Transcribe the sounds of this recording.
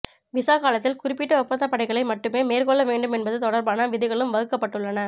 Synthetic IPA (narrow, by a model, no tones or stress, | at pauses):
ʋɪsaːkaːlɐt̪ːɪlkʊɾɪpːɪʈːɐɔpːɐnd̪ɐpːɐɽɐɪɣɐɭɐɪmɐʈːɯmeːmeːrkɔɭːɐʋeːɳɖɯmɛnbɐðɯt̪ɔɽɐɾbaːnɐʋɪðɪɣɐɭɯmʋɐɣɯkːɐpːɐʈːɯɭːɐnɐ